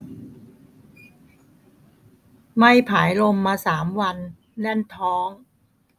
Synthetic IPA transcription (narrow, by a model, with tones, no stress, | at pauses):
ma˥˩jpʰaː˩˦jlo˧mːaː˧saː˩˦mwa˧nː | ɛ˥˩nt̪ʰɔː˦˥ŋ